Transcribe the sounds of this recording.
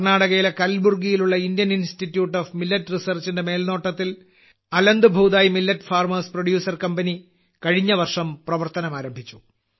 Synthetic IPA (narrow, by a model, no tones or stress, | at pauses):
ɐrnaːɽɐɣɐjilekɐlburɡijiluɭːɐindjɐninstitːjuːʈːoːfmilːɐtːrisɐrt͡ɕindeme̞ːlno̞ːʈːɐt̪ːil | ɐlɐnd̪ubʱuːd̪aːjimilːɐtːfaːrmɐːsproɽjuːsɐrkɐmbɐni | kɐɻiɲːɐʋɐrʂɐmprɐʋɐrt̪ɐnɐmaːɾɐmbʱit͡ɕːu̥